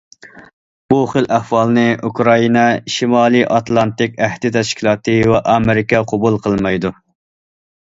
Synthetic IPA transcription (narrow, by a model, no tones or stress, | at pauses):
b̥uχəlʔæhwɑlˠnɨukɾɑinɛʃimɑːlˠɨʔɑt̪lˠɑnt̪ɪkʲæhd̪ɪt̪ʰɛʃkʲʰilˠɑːt̪ʰɨwɛʔɑmɪɾɪkʲɛqʰobulˠqʰəlˠmɑjd̪u